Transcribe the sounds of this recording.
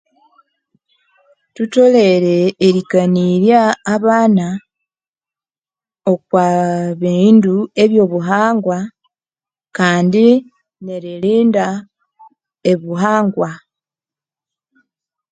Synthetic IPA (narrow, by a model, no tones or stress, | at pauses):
tuto̞le̞ɾe̞ːɾikaniɾjaːβaːna | okwaβiːndue̞βjo̞ːβuɦaːŋɡwa | kaːndi | neɾiliːnda | e̞βuɦaːŋɡwa